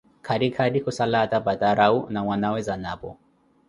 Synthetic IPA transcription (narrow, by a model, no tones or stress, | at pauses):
kʰaɗikʰaɗikusalatabataɾaunaŋwanawɛzanapɔ̰